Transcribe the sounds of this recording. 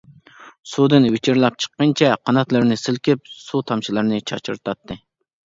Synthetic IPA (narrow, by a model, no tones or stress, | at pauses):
sud̪ɨnwet͡ʃʰiɾlˠɑp̚t͡ʃʰə̥qːənt͡ʃʰɛqʰɑnɑt̪lˠɨɾnɨsɪlkʲɪp̚sut̪ʰɑmt͡ʃʰilˠɨɾnɨt͡ʃʰɑ̰t͡ʃḭɾt̪ʰɑt̪ʰːɨ